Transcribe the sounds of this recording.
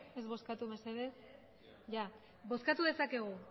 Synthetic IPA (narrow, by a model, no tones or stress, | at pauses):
e̞zβo̞skat̪umeseðes | ʝa | bo̞skat̪uð̞e̞sake̞ɣ̞u